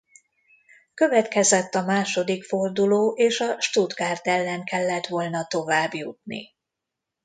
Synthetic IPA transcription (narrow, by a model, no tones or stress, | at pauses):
kø̞vɛt̪kɛzɛt̪ːɒmaːʃo̞d̪ikfo̞rd̪uloːʔeːʃɒʃt̪ud̪ɡaːrt̪ɛlːɛŋkɛlːɛt̪ʋo̞lnɒt̪o̞vaːbjut̪̚nḭ